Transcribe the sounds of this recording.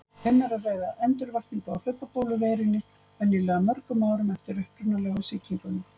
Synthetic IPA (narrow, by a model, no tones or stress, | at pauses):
ɛnːaɾareːjðaɛnt̪ʏɾvaht̪niŋkaawlʏpːapoːwlʏveːjɾɪnːɪ | ɛniːlɛɣamœɾkʏmaːwɾʏmɛft̪ɪɾʏhpɾʏnalɛːɣʏsɪːcʰiŋkʏn